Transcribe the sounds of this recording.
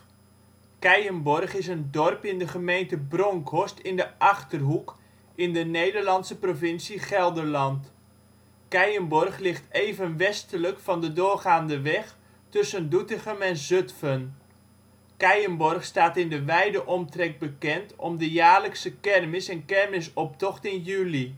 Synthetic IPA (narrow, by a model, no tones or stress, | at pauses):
kɛjənbɔrχɪsəndɔrpɪndəχəmejntəbrɔŋkʰɔstɪndəʔɑχtərɦuk | ɪndənejdəɹlɑnsəprovɪnsiχɛlˠdərlɑnt | kɛjənbɔrχlɪχtejvənʋɛstələkfɑndədʊːrχaːndəʋɛχ | tɵsəndutəχəmɛnzɵtfən | kɛjənbɔrχstaːtɪndəʋɛjdəʔɔmtrɛk̚bəkɛntɔmdəjaːɹləksəkɛrmɪsɛnkɛrmɪsɔp̚tɔχtɪnjyli